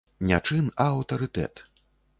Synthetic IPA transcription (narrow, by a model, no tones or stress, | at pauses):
nʲat͡ʂɨnɐɐwt̪ɐɾɨt̪ɛ̰t̪